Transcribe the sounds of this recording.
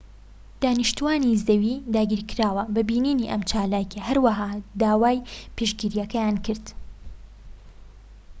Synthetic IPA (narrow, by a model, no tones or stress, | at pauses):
d̪̥aːniʃt̪uwaːnizɐwid̪aːɡiːɾkɪɾaːwɐbɐbiːniːniːʔɐmt͡ʃaːlaːkɐɦɐɾwɐɦaːd̪aːwaːjpeʃɡiɾijɐkɐjaːnkʰɨɾd̪